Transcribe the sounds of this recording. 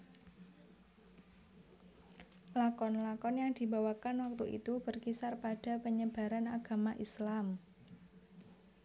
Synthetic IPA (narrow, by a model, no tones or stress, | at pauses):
lakɔnlakɔnjaŋd̪̥i̤bawakanwak̚t̪uʔḭt̪ub̥ərkisarpad̥a̤pəɲəb̥a̤ɾanaɡ̥a̤maʔislam